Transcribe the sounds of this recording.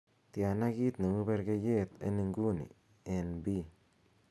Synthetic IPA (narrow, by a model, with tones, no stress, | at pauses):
t̪ja˨na˦ɡi˦t̪ne˨ŋu˦be˦ɾɡe˦je˦t̪ḛ˦ni˧ŋɡu˦nḭ˨ | e˨nbi˦